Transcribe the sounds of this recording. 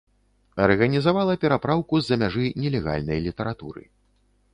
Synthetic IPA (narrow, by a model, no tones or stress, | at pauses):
ɐrɣɐnʲizavalˠɐpʲɛɾapɾawkuzːɐmʲaʐɨnʲɛlʲɛɣa̰lʲnɐjlʲit̪ɐɾat̪ṵɾɨ̰